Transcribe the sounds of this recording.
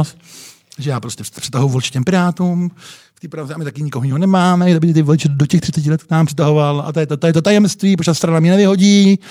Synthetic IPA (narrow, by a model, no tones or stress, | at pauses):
s | ʒɛjaːpɾoscɛpr̥ɛt̪aɦojuvolt͡ʃɪ̥cɛmpɪɾaːt̪uːm | ft̪iːpɾazɛamɪt̪akɪɲɪkoɦoɲɪɦonɛmaːmɛabɪt̪ɪt̪ɪvolɪt͡ʃɛdocɛxt̪rɪ̥t͡sɛcɪlɛt̪knaːmpr̥ɪt̪aɦo̞vala̰t̪ajɛt̪ot̪ajɛt̪ot̪ajɛmst̪viːp̬ɾot̪ast̪ɾanamɲɛnɛvɪɦo̞ɟiː